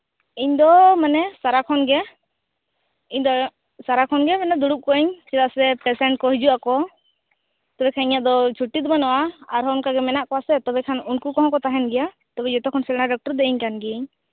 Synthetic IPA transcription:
iɲd̪ɔmanɛsaɾakʰɔnɡɛ | iɲd̪ɔ | saɾakʰɔnɡɛmɛnad̪uɽup̚kɔɛɲsɛd̪aʔsɛpɾɛsɛɳʈ̚kɔɦid͡ʒuʔakɔ | t̪ɔbɛkʰaniɲaʔd̪ɔt͡ʃʰuʈːit̪̚banɔwaaɾɦɔunkaɡɛmɛnaʔkɔasɛt̪ɔbɛkʰanunkukɔ̃ɦɔ̃kɔt̪aɦɛnɡɛja | t̪ɔbɛd͡ʒɔt̪ɔkʰɔnsɛlnaɖɔk̚ʈɔɾd̪ɛʔiɲkanɡɛɲ

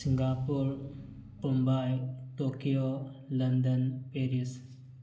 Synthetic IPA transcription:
siŋɡaːpuɾ | kumbajʈokijolɐnd̪ənpeɾis

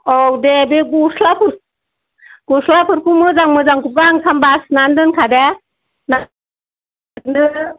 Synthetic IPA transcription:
ɔwdebeɡuslapʰɯɾ | ɡ̥uslapʰɯɾkumɯzaŋmɯzaŋkup̚ɡaŋsʰambasnandɯnkʰade | na | nɯ

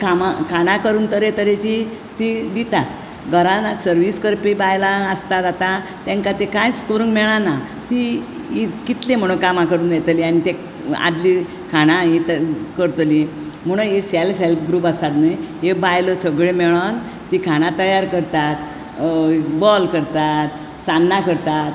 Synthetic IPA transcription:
kʰamakʰanãkəɾuːnt̪əɾet̪əɾet͡ɕi | t̪id̪it̪at̪̚ | ɡəɾanasəɾʋiskəɾpibajlaəst̪at̪at̪a | t̪ɛ̃ŋkat̪ekãjskuɾəŋɡmɛɭana | t̪i | ikit̪lem̤əɽ̃ukamakəɾuːnjɛt̪lianit̪e | a̰d̪li | kʰaɽ̃ãɦit̪kəɾt̪li | m̤əɽ̃ə̃eselfelpɡɾuːpəsat̪nəjɦebajləsəɡɭemeɭən | t̪ikʰaɽ̃ãt̪əjaɾkəɾt̪at̪ | bɔlkəɾt̪at̪ | sanːakəɾt̪at̪

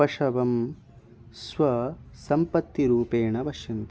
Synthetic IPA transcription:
ɐʂɐʋɐm | sʋɐsɐmpɐt̪ːiɾuːpeːɳɐbɐʃjɐnt̪

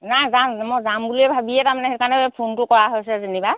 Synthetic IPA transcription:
nazammɔzambuliɛbʱabijɛtamanɛhɛɹkaɹnɛpʰuntʊkɔɹaɦojs̬ɛzeniba

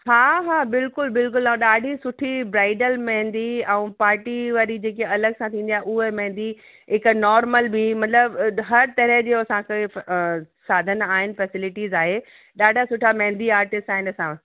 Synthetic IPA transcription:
ɦaːɦaːbɪlkʊlbɪlkʊlɐ̃ɗaːɖʱisʊʈʰibɾaːɪɖəlmɐ̃ɦɪ̃nd̪iɛ̃ũpaːɾʈiʋaːɾid͡ʑeːk̬eɐləɡsãt̪ʰĩːn̆d̪iaɦɪʊɦemɐ̃ɦɪ̃nd̪i | ɦɪknɔːɾməlbʱimɐt̪ləbɦɐɾt̪ɐɾəɦd͡ʑeːɐsãke | saːd̪ʱənaːɦɪnɪ̆fɛsɪlɪʈizaːɦe | ɗaːɖʱasʊʈʰamɐ̃ɦɪ̃nd̪iaːɾʈɪsʈaːɦɪnɐsã

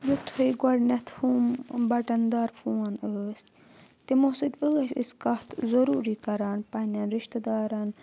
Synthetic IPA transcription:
jut̪ʰhɐjɡwɐɖnɐt̪ʰhuːmbɐʈɐnd̪aːɾfuːɐnəːsʲ | t̪imosɐd̪ʲəːsḭskɐt̪ʰzɐɾuːɾikɐɾaːnpɐnɐnɾiʃt̪ɐd̪aːɾan

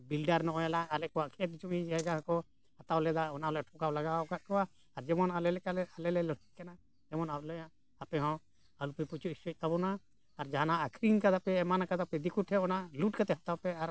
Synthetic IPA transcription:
bilɖaɾnɔʔɔ̃jɛlaːlɛkɔwaʔkʰɛt̪̚t͡ʃumid͡ʒɛɦɛɡaɦãkɔ | hat̪awlɛd̪aɔnaɔlɛʈʰɔkawlaɡawkat̪̚kɔwaː | ɾd͡ʒɛmɔnalɛlɛkalɛalɛlɛlɔʈʰic̚kana | d͡ʒɛmɔnaplɔjã | apɛɦɔ̃ | alupɛput͡ʃuisɔc̚ˀt̪abɔnaː | ɾd͡ʒaɦanaːkʰɾinkad̪apɛɛmanakad̪apɛd̪ikuʈʰɛwɔnaʔluʈ̚kat̪ɛɦat̪awpɛaɾ

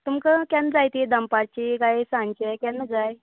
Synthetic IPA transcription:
t̪umkəkjanəd͡zajt̪id̪əmpaɾt͡ɕikajsãɲt͡ɕekanːəd͡zaj

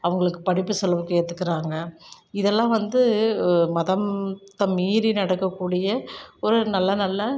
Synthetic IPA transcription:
ɐʋɐŋɡɐɭɯkːɯpɐɽɪpːɯsɔlɐʋɯkːɐeːt̪ːɯkːɪɾaːŋɡɐ | ɪðɛlːãːʋɐnd̪ɯmɐðɐmt̪ɐmiːɾinɐɽɐkːɐkːuːɽɪjɐɔɾɯnɐlːɐnɐlːɐ

